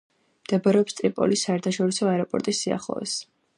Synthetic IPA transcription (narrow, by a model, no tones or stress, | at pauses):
md̪̥ɛbɔɾɛɔpst̪ʼɾipʼɔ̰lisːaɛɾt̪ʰaʃɔɾisɔaɛɾɔpʼɔ̰ɾt̪ʼisːia̰χlˠɔ̰ɛ̰s